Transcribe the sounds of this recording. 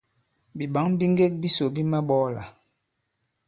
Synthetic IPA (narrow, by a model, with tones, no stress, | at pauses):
bi˨ɓa˨˦ŋbi˦ŋ˦ɡe˦t̚bi˦so˨bi˦ma˦ɓɔ˦la̰˨